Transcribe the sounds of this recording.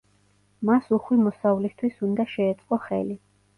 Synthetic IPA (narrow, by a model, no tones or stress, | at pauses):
masuχwimɔsavlist̪ʰwisund̪aʃɛːt̪sʼqʼɔχɛ̰li